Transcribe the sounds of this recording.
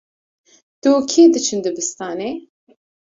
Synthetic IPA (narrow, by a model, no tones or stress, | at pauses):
t̪ukʰeːd̪ɨt͡ʃʰɨnd̪ɨbɨst̪ɑːnɛ